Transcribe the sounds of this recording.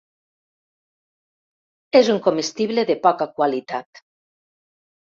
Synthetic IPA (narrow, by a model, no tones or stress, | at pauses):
ezuŋkomest̪iβleðepɔkakwalit̪at̪